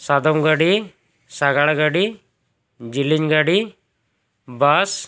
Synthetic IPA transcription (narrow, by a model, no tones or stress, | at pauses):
sad̪ɔmɡaɽi | saɡaɽaɡaɽi | d͡ʒiliɲɡaɽi | bas